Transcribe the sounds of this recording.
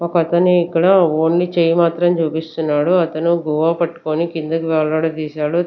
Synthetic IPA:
okɐt̪ɐniːkːɐɽɐoːɳlit͡ʃeːjimaːt̪ɾɐmt͡ʃuːpist̪unːaːɽuɐt̪ɐnuɡuːʋaːpɐʈːu̥koːnikind̪ɐkuʋɛːɭːɐːɽɐt̪iːsaːɽu

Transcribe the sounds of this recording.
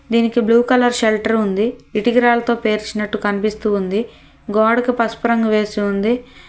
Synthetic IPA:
d̪iːnikibluːkɐlɐɾʃelʈɐɾund̪iiʈiɡiɾaːlɐt̪o̞ːpe̞ːɾt͡ʃinɐʈːukɐnipist̪uːnd̪i | ɡaːɖkipɐspɐɾɐŋɡɐʋe̞ːsiund̪i

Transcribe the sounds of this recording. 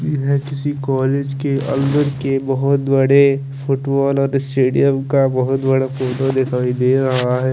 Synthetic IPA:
ɪɦẽkɪsikɔːleːd͡ʒkeʔɐ̰̃nd̪əɾkebɐɦʊt̪bɐɽe | fʊʈbɔːlɔːɾɪsʈeːɖijəmkabɐɦʊt̪bɐɽafoːʈod̪eːt̪ʰaːid̪eːɾɐɦaɦɛː

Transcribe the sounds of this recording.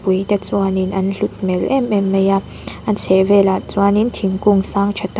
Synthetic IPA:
pujt̪ɛt͡swaninʔɐnɬut̪̚mɛlʔɛmɛmːeja | ʔant͡sʰɛvɛlat͡swanint̪ʰiŋkuŋsaːŋt͡ʃʰat̪

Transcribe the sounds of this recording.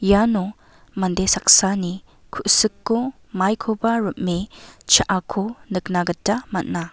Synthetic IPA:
janu | mɐndesak̚sani | kʰuʔsɯkːu | majkʰobɐɾut̚mit͡ʃaʔakʰunɯk̚naɡɐtːɐmɐt̚na

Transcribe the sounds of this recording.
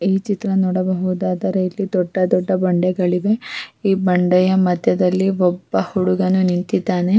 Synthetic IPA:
iːt͡ʃit̪ɾɐnɔːɽɐbɐɦud̪aːd̪ɐɾɐjlːid̪ɔɖːɐd̪ɔɖːɐbɐɳɖɛɡɐɭiʋe̞iːbɐɳɖɛjɐmɐd̪ʱjɐd̪ɐlːiɔbːɐhuɽuɡɐnunint̪id̪ːaːne̞

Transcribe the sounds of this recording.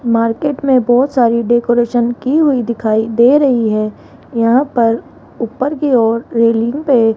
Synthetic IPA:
maːɾkeːʈmẽbɔːt̪saːɾiɖeːkoːɾeːʃənkiɦʊid̪ɪkʰaːid̪eːɾɐɦiɦɛː | jɐɦãpɐɾ | upːəɾkiɔːɾɾeːlɪ̃ŋɡpe

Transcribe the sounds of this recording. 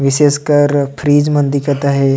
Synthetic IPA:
ʋɪʃeːskɐɾpʰɾiːd͡ʒmɐ̃nd̪ikət̪aɦɛ

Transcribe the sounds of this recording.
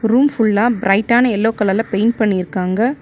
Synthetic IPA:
ɾuːmfʊɭːaːbɪɾɐɪʈːaːnɐɛlːoːkɐɭɐlɐpeɪnpɐɳːɪɪɾɯkːaːŋɡɐ

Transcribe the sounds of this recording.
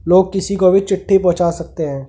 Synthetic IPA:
loːɡ̚kɪsikoʋɪt͡ʃɪʈʰːepɔ̃ɦt͡ʃaːsɐk̚t̪eɦɛ̃ː

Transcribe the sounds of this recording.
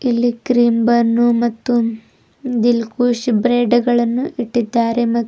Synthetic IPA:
ilːikɾiːmbɐnːumɐt̪ːu | d̪ilkuːʂbɾeːɖɐɡɐɭɐnːuʔiʈːid̪ːaːɾemɐ

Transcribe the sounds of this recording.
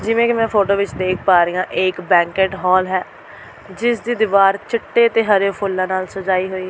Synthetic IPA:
d͡ʒɪʋẽːkɪmɛ̃ːpʰoːʈoːʋɪt͡ʃd̪eːkʰpaːɾiːãːʔeːkbɛ̃ːŋkeːʈɦɔːlɦɛː | d͡ʒɪsd̪iːd̪ɪʋaːɾt͡ʃəʈːeːt̪eːɦəɾoːpʰʊlːãːnaːlsəd͡ʒaːiːɦoːiː

